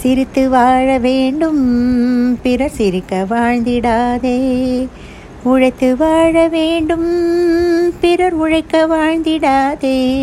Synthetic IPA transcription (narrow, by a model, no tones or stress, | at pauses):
sɪɾɪt̪ːɯʋaːɻɐʋeːɳɖɯm | pɪɾɐɾsɪɾɪkːɐʋaːɻnd̪ɪɽaːðeː | ʊɻɐɪt̪ːɯʋaːɻɐʋeːɳɖɯm | pɪɾɐɾʊɻɐɪkːɐʋaːɻnd̪ɪɽaːðeː